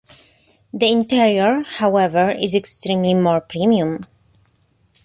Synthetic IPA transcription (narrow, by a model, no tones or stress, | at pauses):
ðiɪ̃nt̪iɹiəɹhawɛvəɹɪzɛkstɾĩmlimɔɹpɹimiũm